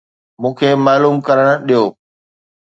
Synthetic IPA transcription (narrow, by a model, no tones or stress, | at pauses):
mũːkʰemaːluːmkɐɾəɽ̃ʊɗijoː